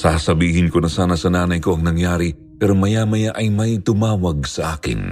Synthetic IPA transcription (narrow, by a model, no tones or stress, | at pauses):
sasɐbiːɦɪnko̞nɐsaːnɐsɐnaːnɐjko̞ʔɐŋnɐŋjaːɾi | pɛːɾomɐjamɐjaʔɐjmɐjt̪ʊmaːwɐɡ̚sɐʔaːkɪ̰n